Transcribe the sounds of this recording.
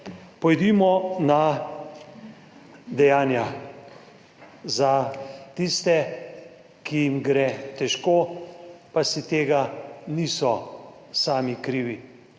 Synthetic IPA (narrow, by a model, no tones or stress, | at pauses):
pɔjd̪imɔna | d̪ɛjaːnja | zat̪ist̪ɛ | kʰijimɡɾɛt̪ɛʃkoːpasit̪eːɡaniːsɔ | saːmikɾiːʋi